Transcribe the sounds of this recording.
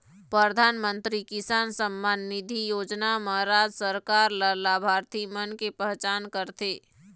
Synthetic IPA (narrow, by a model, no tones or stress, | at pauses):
pɾəd̪ʱaːnmə̃nt̪ɾikɪsaːnsəmːanːɪd̪ʱijoːd͡ʒnaməɦɾaːd͡ʒsəɾkaːɾləlabʱaːɾt̪imənkepɛɦt͡ʃaːnkəɾt̪eː